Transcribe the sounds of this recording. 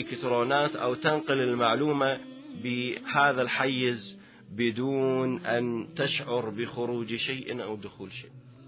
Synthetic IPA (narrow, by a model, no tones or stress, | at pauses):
kɪt̪ɾoːnaːt̪ʔa̰wt̪anqɪlɪlmaʕluːma | bɪhaːðalħajːɪz | bɪd̪uːnʔant̪aʃʕʊɾˤbɪxʊɾuːd͡ʒʃaːʔnʔa̰wd̪ʊxuːlʃeː